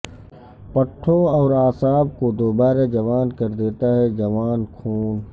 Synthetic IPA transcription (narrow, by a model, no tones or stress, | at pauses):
pɐʈʰːõɔːɾaːsaːb̚kod̪oːbaːɾad͡ʒɐʋaːnkɐɾd̪eːt̪aɦɛd͡ʒɐʋaːnkʰuːn